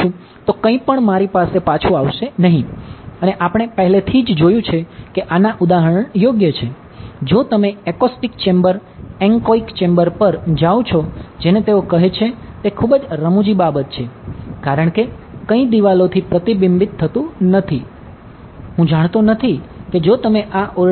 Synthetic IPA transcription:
ũ | t̪okə̃ĩpəɳmaɾipasepat͡ʃʰũaʋʃenəɦĩəneʔapəɽ̃epəɦlet̪ʰid͡ʒd͡ʒojũt͡ʃʰekeʔanaʔud̪aɦəɾəɳ̃joɡjət͡ʃʰe | d͡ʒot̪əmeekɔsʈikt͡ʃembəɾɛŋkoikt͡ʃembəɾpəɾd͡ʒaw̃t͡ʃʰod͡ʒenet̪eokəɦet͡ʃʰet̪ekʰubəd͡ʒɾəmũd͡ʒibabət̪t͡ʃʰekaɾəɳ̃ke | kəĩd̪iʋalot̪ʰipɾət̪ibimbit̪ʰːət̪ũnət̪ʰi | ɦũd͡ʒaɽ̃t̪onət̪ʰiked͡ʒot̪əmeʔao

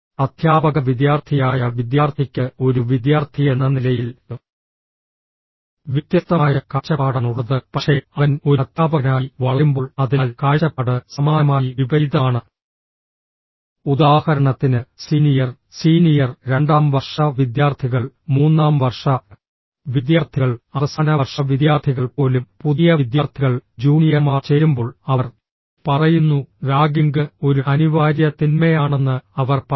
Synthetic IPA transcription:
ɐd̪̥ʱjaːbɐɣɐʋid̪jaːrt̪ʰijaːjɐʋid̪jaːrt̪ʰikʲːɨo̞ɾuʋid̪jaːrt̪ʰijenːɐnilɐjil | ʋit̪jɐst̪ɐmaːjɐkɐt͡ɕɐaːɽɐnuɽɐðɨpɐʂe̞ɐʋɐno̞ɾt̪ʰːjaːbɐnaːjiʋɐɭɐumbo̞ːɭɐðinːlkaːɾɕɐpːɐɽɨsɐmaːnɐmaːjiʋibɐjd̪aːɳɨ | ud̪aːhɐɾɐɳɐt̪ːinɨsiːnijɐr | siːnijɐrɾe̞ɳɖaːmʋɐrʂɐʋid̪jaːrt̪ʰiɣɐɭmuːnːaːmʋɐrʂɐ | ʋid̪jaːrt̪ʰiɣɐɭɐʋɐsanɐʋɐrʂɐʋid̪jaːrt̪ʰiɣɐɭpo̞ːlumpuðijɐʋid̪jaːrt̪ʰiɣɐɭd͡ʑuːnijɐmaːrt͡ɕeːɾumbo̞ːɭɐɐr | pɐrɐjunːuɾaːɡiŋɡɨo̞ɾuɐniʋaːɾjɐt̪inmɐjaːɳe̞nːɨɐʋɐrp

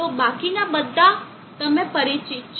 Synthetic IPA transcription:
obakinabəd̪ʱːa | t̪əmepəɾit͡ʃi

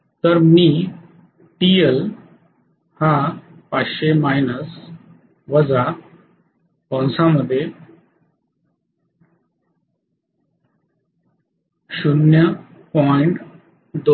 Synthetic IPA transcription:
t̪əɾmiː | ʈiel | hapaɕemajnəs | ʋəd͡za | pɔ̃w̃sãməd̪ʱːje | ɕunjəpɔjɳʈ | d̪o

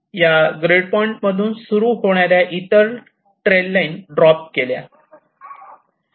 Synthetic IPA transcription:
jaɡɾeɽpɔiɳʈməd̪ʱuːnsuɾuːɦoɽ̃jaɾjaʔit̪əɾ | ʈɾelːainɖɾɔpkelja̰

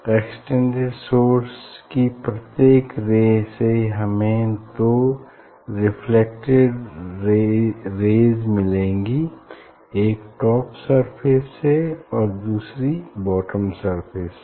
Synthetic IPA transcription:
eːksʈẽɳɖeɖsoːɾskipɾɐt̪jeːkɾeːd͡ʒseɦɐmẽt̪o | ɾɪpʰlek̚ʈeɖ | ɾeːd͡ʒmɪlẽːŋɡi | eːkʈɔːpsəɾpʰɪsːeɔːɾd̪uːsɾibɔːʈəmsəɾpʰɪs

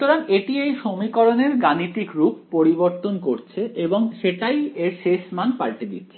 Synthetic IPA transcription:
ut̪oɾaneʈiejʃomikɔɾoneɾɡaniʈ̪ikɾuppoɾiboɾt̪onkoɾt͡ɕʰeʔeboŋʃeʈajeɾʃeʃmanpaɾʈid̪ḭtːʰe̥

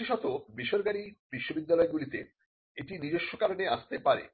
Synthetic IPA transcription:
iʃɔt̪obiʃoɾɡaɾibiʃːobid̪ːalɔeɡulit̪e | eʈinid͡ʑeʃːokaɾoneaʃt̪epaɾḛ

